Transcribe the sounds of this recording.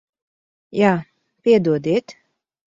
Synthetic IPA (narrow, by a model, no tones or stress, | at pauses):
jaː | pʲiɛd̪uɔd̪iɛt̪